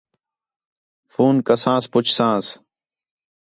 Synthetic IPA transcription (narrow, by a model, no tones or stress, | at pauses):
fuːnkəsãːspʊt͡ʃʰsãːs